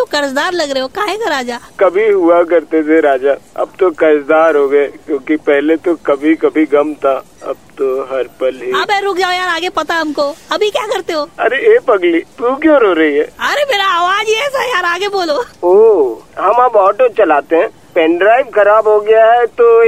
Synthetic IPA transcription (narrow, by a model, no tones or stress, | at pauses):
t̪okɐɾsd̪aːɾlɐɡɾɐeɦokãːɦɛ̃kaɾaːd͡ʒaːkɐbʱiɦuak̬ɐɾt̪et̪ʰeɾaːd͡ʒaːɐ̰b̚t̪okɐɾsd̪aːɾɦoːɡɐekjõːkipɛɦlet̪okɐbʱikɐbʱiɡɐmt̪ʰa | ɐ̰b̚t̪oɦɐɾpɐlɦiɐbɛːɾʊkʰd͡ʒaːojaːɾaːɡepɐt̪aɐmkoɐbʱikjakɐɾt̪eɦoːɐ̰ɾeeːpɐɡliːt̪ukjõːɾoːɾɐɦiɦɛːɐɾemeːɾaaːʋaːd͡ʒiɛːsajaːɾaːɡeboːlooːɦɐmabɔːʈot͡ʃɐlaːt̪eɦɛ̃ː | pɛ̃ːɳɖɾaːɪʋkɐɾaːbɦoɡɐjaɦɛt̪o